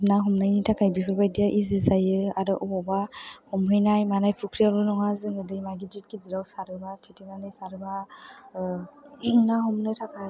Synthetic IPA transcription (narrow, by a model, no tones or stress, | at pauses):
naɦɔmnajnitʰakʰajbipʰɯɾbajdijaʔizɯzajɯaɾɯʔɔɔbahɔmɯjnajmanajpʰukʰɾijalɯnɔɦazɯŋɯdɯjmaɡidit̚kiziɾawsaɾɯbatʰitimanɯjsaɾɯba | naɦɔmnɯjtʰakʰa